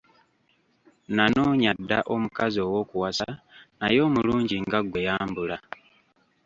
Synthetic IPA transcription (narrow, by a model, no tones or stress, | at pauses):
nanoːɲadːaʔo̞mukazio̞wo̞ːkuwasanajo̞ːmuluːɲɟiŋɡaɡwe̞jaːmbula